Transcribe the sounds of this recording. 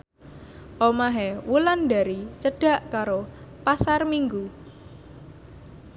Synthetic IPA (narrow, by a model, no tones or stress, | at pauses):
ʔomaɦɛwulanɖa̤ɾit͡ʃəɖ̥a̤ʔkaɾopasarmiŋɡu